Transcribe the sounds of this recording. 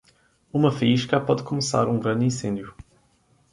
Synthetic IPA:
umɐfɐiʃkɐpɔðkumɨsa̰ɾũɡɾɐ̃nd̪ĩsẽnd̪ju

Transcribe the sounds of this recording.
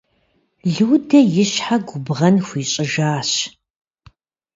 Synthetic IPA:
ɮɨːdɐjɪɕħaɡʷʊbʁɐnxʷiːɕʼɪʒaːɕ

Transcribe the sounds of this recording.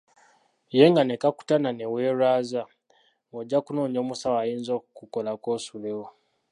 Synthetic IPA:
jeŋɡanekaku̥tananeweːɾaːza | ŋoɟːakunoːɲo̞ːmusawajiːnzokukolakoːsulewo

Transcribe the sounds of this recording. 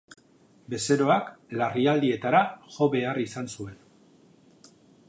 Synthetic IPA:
be̞se̞ɾo̞aklariald̪ie̞t̪aɾaʝo̞βe̞arisansue̞n

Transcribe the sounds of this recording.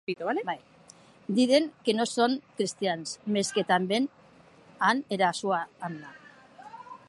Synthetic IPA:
it̪uβalebaj | d̪iðe̞ŋkenoso̞nkɾist̪iansme̞ske̞t̪ambe̞n | aneɾasuaːnd̪a

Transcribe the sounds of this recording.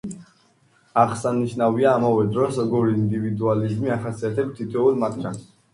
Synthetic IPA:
aʁsaniʃnaviaːmavɛd̪ɾɔsɔɡɔɾiːnd̪ivid̪ualizmiaχasiat̪ʰɛbst̪ʰit̪ʰɔulmat̪ʰɡan

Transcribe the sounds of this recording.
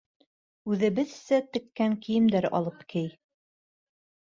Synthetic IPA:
ʉðɘ̆βɘðsæt̪ɘ̆kːæŋkijɘ̆md̪æɾɑ̰lˠɤpkʰɘj

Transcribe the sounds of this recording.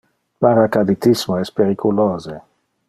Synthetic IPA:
paɾakad̪it̪ismoɛspeɾikʰuloːze

